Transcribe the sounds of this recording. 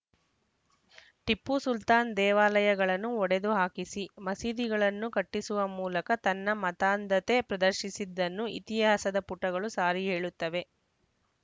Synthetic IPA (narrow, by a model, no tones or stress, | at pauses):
ʈipːusult̪aːnd̪ɛːʋaːlɐjɐɡɐɭɐnːuɔɽe̞d̪uɦaːkisimɐsiːd̪iɡɐɭɐnːukɐʈːisuʋɐmuːlɐkɐt̪ɐnːɐmɐt̪aːnd̪ɐt̪e̞pɾɐd̪ɐɾʃisid̪ːɐnːuit̪iɐɦɐsɐd̪ɐpuʈːɐɡɐɭusaːɾiɦeːɭut̪ːɐʋe̞